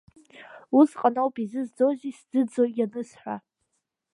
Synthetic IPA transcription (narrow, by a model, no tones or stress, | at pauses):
uzqʼanowpʼizɨzd͡zozisd͡z̥ɨd͡zojanɨsħᶣʷa̰